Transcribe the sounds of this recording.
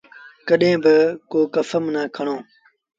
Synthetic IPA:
kəɗẽːbɪkoːkəfəmnaːkʰəɳ̃õː

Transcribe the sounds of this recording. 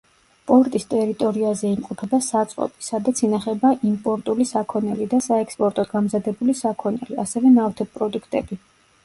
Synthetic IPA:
pʼɔɾt̪ʼist̪ʼɛɾit̪ʼɔɾiazɛimqʼɔpʰɛbasat̪sʼqʼɔ̰pʼi̥sad̪at̪sʰinaχɛbaʔimpʼɔɾt̪ʼulisakʰɔnɛlid̪asaɛkspʼɔɾt̪ʼɔɡamzad̪ɛbulisakʰɔnɛlia̰sɛvɛnaft̪ʰɛp̚pʼɾɔd̪ukʰt̪ʼɛ̰bi

